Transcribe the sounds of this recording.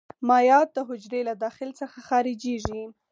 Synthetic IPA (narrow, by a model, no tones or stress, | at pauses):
mɑjɑt̪̚d̪əɦʊd͡ʒɾelad̪ɑxɪlt͡səxaxɑɾɪd͡ʒiʒi